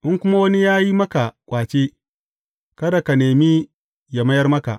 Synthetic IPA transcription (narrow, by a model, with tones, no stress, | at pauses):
ʔɪ˦ŋkʷʊ˦ma˦wɐ˦ni˦jaː˦ji˦mɐ˦ka˨kʷʼaː˨t͡ʃeː˦ | kɐ˦da˨ka˨neː˨mi˦ | jɐ˨mɐ˦jɐ˦rmɐ˦ka˨ʔ